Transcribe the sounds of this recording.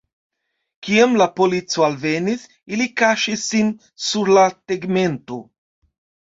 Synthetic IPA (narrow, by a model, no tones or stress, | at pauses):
kiɛmlapolit̪sualveniθ | ilikaʃisin | suɾlat̪eɡment̪u